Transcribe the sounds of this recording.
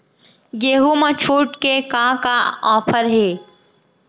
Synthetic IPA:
jeɦumə̃t͡ʃʰuːʈkekãkaɔːpʰəɾɦeː

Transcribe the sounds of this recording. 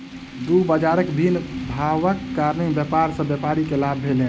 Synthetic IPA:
d̪ubəd͡ʒaɾəkd̪inbʱawəkːaɾnembjəpaɾsə̃bjəpaɾikelabʱelẽ

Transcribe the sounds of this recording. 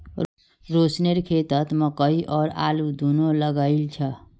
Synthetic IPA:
ɾoːsneɾkʰeːt̪ət̪məkəiʔɔːɾa̰ːlud̪ʱunoləɡailt͡ʃʰə

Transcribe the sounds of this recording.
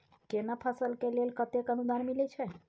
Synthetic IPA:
kenapʰasəlkelelkət̪ekənud̪anmilet͡ʃʰe

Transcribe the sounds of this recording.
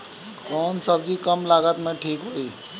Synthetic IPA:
kɔːnsəbd͡ʒikəmlaɡət̪mẽʈʰiːkɦoi

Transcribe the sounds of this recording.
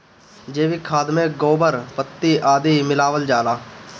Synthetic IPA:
d͡ʒeːʋiːkʰaːd̪mẽːɡoːbəɾpət̪ːiːʔaːd̪iːmɪlaːʋəld͡ʒaːlaː

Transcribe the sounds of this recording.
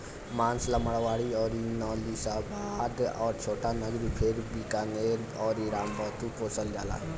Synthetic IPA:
maːnsləməɽʋaɽiɔːɾinɔlisəbad̪ɔːɾt͡ʃʰoːʈanəɡɾipʰeɾbikaneɾɔːɾiɾaːmbət̪upoːsəld͡ʒaːla̰

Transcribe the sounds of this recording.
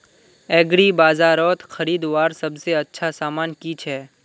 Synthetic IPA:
ɛːɡɾibaːzaːɾɔːt̪xʰəɾiːd̪ʋaːɾsəbseətːʃʰasaːmaːnkit͡ʃʰɛ

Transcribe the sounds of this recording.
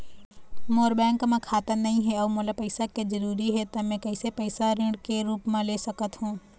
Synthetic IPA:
moːɾbɛ̃ːŋkmãkʰaːt̪ənɐɦĩɦɛɔːmoːlapəɪsaked͡ʒəɾuːɾiɦɛt̪ɐmɛ̃kɐɪsepəɪsaɾɪ̃ɳɖkeɾuːpmãlesəkət̪ɦũː

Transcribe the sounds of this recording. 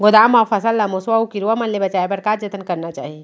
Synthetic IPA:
ɡʊd̪aːmɔːfʰɐsəlːɐmoswaukiɾuʋamɐnlebɐt͡ʃaːebɐɾkaːɾd͡ʒət̪ənkɐɾnat͡ʃa̰ːɦie

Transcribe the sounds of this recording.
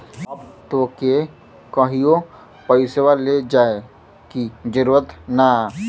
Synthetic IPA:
əbt̪oːke | kəɦio | pəɪsewaled͡ʒaːe | kid͡ʒəɾuɾət̪na

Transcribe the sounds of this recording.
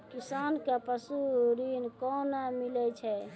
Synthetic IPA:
kisaːnkapəsuɾinkɔnamilɛt͡ʃʰɛ

